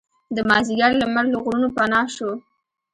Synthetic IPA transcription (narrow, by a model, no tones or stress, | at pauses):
d̪əmɑziɡɑɾlamaɾloɣɾunopanɑʃo